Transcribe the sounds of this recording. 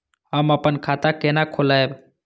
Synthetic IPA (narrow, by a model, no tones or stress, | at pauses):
ɦəməpənkʰat̪akenakʰolaeb